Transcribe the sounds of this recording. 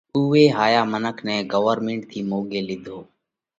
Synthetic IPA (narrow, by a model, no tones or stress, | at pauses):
uːʋeːɦaːjaːmənəkʰnɛ̃ːɡəʋəɾmeɳʈ̚t̪ʰiːmoːɠeːlɪd̪ʱoː